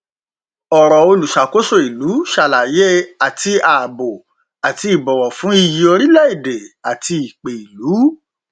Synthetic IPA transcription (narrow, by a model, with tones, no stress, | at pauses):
ɔ˨ɾɔ˨o˧lu˨ʃa˨ko˦so˦˨i˨lu˨˦ʃa˨la˨je˦a˨ti˧a˨bo˨ | a˨ti˧i˨bɔ˨wɔ˨fũ˨˦i˧ji˧o˧ɾi˦lɛ˦i˦˨de˨a˨ti˧i˨k͡pe˨i˨lu˨˦